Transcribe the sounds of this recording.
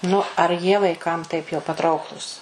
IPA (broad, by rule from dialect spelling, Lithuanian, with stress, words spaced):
ˈnʊ ɐr ˈjiɛ ʋɐɪˈkɐm tɐɪp jɛʊ pɐˈtrɐʊklˠuːs